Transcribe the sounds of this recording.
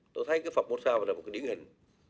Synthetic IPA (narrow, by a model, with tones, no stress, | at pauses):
t̪o˧jt̪ʰə˨˦jkaː˨˦jfə˨˩ɓo˧t̚saː˧va˨˩lːtkːaː˨˦jɗi˨˦ə˦nhï˨˩ŋ̟